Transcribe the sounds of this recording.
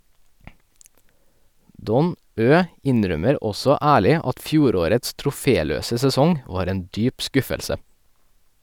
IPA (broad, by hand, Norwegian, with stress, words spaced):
ˈdɔn ˈøː ˈɪnˌɾœməɾ ˈɔsɔ ˈæːɭɪ ˈɑt ˈfjuːˌɾoːɾəts tɾʊˈfeːˌløːsə sɛˈsɔŋ ˈʋɑːɾ ˈeːn ˈdyːp ˈskʉfəlsə